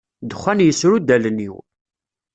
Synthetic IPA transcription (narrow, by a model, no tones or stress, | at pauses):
d̪əχʷːænjəsɾud̪æləniw